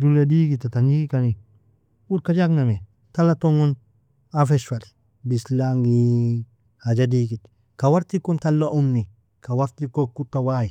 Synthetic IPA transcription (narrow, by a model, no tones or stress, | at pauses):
dulediɡitːatanikikani | ut̚kad͡ʒakname | talatoŋon | afeʃfal | bislaŋɡi | had͡ʒadiɡit | kawaɾtikuntalːaʔumni | kawaɾtikokːutawaji